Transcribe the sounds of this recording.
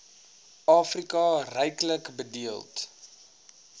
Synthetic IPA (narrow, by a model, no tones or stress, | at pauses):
ɑːfrikɑrɛjkləkbədiəlˠt